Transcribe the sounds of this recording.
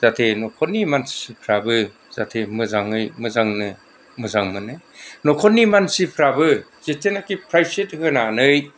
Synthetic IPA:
z̥atʰenɔkʰɔnːimansi̥sipʰɾabɯ | z̥atʰemɯzaŋɯjmɯzaŋnɯ | mɯzaŋmɯnɯnɔkʰɔnːimansipʰɾabɯzetʰenakipʰɾajsethɯnanɯj

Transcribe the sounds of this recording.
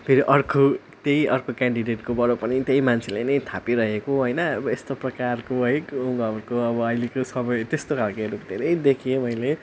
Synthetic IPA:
pʰeɾiʔʌrkʰo | t̪ejʌrkʰokaɳɖiɖeʈkobʌɾopʌnit̪jejmant͡sʰelejnʌjt̪ʰapiɾʌɦekoɦojnʌbʌest̪oprʌkarkoɦʌjuʌmɾkoʌbʌːjlikosʌbʌjt̪est̪okʰalkaɾukd̪ʱeɾʌjd̪ekʰijemʌjle

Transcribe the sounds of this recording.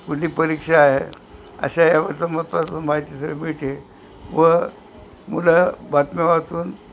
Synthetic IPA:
kuliːpəɾikʂaːɦḛ | ə̰ɕajaʋəɾt͡samət̪ʋatəmaɦit̪isɾemiʈ̪e | ʋə | mulabat̪meʋat͡suːn

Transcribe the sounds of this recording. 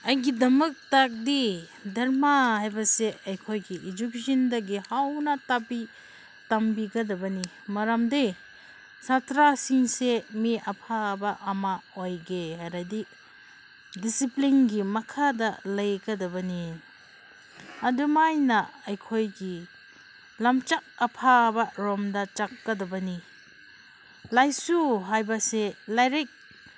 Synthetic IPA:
ɐjɡidɐmɐk̚tak̚di | dɐɾmahajbɐseɐjkʰojɡiʔid͡ʒuksindɐɡihawnɐtapi | tɐmbiɡɐdɐbɐni | mɐɾamdi | satɾasiŋsemiɐpʰabɐʔɐmaojɡeaɾɐdi | disiplinɡimɐkʰadɐlɐjɡɐdɐbɐni | ɐdumajnɐɐjkʰojɡi | lɐmt͡ʃak̚ɐpʰabɐɾɔmdɐt͡ʃakːɐdɐbɐni | lajsuɦajbɐselajɾik̚

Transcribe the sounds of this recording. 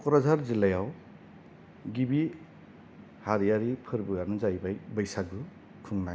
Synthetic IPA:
kɔɾazaɾzilajaw | ɡibi | haɾijaɾipʰɯɾbɯɡaɾnɯzajbajbɯjsaɡɯ | kʰuŋnaj

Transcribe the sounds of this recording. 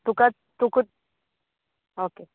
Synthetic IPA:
t̪uka | t̪uku | oke

